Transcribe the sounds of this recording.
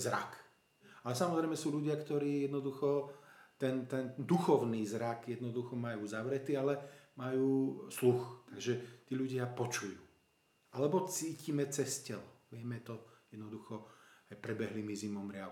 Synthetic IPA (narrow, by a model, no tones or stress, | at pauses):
zɾa̰k | alɛsamɔzɾɛɪmɛsuːʎuɟɪakt̪ɔɾiːjɛd̪nɔd̪uxɔt̪ɛnt̪ɛnd̪uxɔʊniːzɾakjɛd̪nɔd̪uxɔmajuːzaʋɾɛt̪ialɛmajuːsluxt̪aɡʒɛt̪iːʎuɟɪapɔt͡ʃujuː | ʔalɛbɔt͡siːcimɛt͡sɛscɛlɔʋɪɛmɛt̪ɔjɛd̪nɔd̪uxɔajpɾɛbɛɦlimizimɔmɾɪa